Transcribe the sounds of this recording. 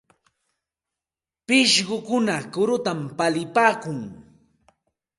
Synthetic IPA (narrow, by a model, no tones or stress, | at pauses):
pɪʃɢʊkʊnakʊɾʊt̪ampalɪpaːkʊŋ